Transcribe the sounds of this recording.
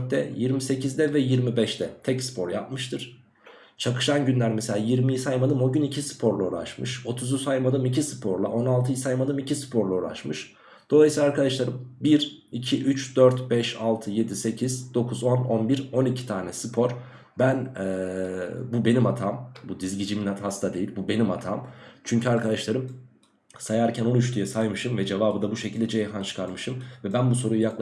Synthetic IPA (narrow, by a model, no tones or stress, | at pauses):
ɛ̰jiɾmise̞cʰizd̪ɛvɛjiɾmibɛʃt̪ʰɛt̪ʰɛcsɯ̥pʰo̞ɾjap̚mɯʃt̪ʰɯɾ̥ | t͡ʃʰakɯ̥ʃanɟynlʲæɾmɛselʲaːjiɾmijisajmad̪ɯmo̞ɟynicʰisɯ̥pʰo̞ɾlˠaoɾˠa̰ʃmɯ̰ʃo̞t̪ʰuzusajmad̪ɯmic̬ʰisɯpʰo̞ɾlˠa̰ʔo̞nalˠt̪ʰɯjisajmad̪ɯmicʰisɯ̥pʰo̞ɾlˠaoɾˠa̰t͡ʃmɯʃ | d̪̥o̞lˠajsilˠaɾkad̪aʃlˠaɾɯmbiɾicʰiʔyt͡ʃd̪øɾt̪bɛʃalˠt̪ʰɯje̞d̪ise̞cʰizd̪̥o̞kʰuzo̞no̞nbiɾo̞nicʰi̥t̪ʰaːnɛsɯpʰo̞ɾ | bænɛ | bube̞nimat̪ʰaːmbud̪izɟid͡ʒiminat̪hast̪ʰad̪e̞jilʲbube̞nimat̪ʰa̰ːmt͡ʃʰyɲcʰyaɾkʰad̪aʃlˠaɾɯm | sajaɾcʰænolˠuʃ̬t̪ʰujɛsajmɯʃɯmvɛd͡ʒe̞vaːbɯd̪abuʃecʰilʲd̪ɛd͡ʒejɦant͡ʃʰɯ̥kʰaɾmɯʃɯmvɛbænbuso̞ɾujujaklˠ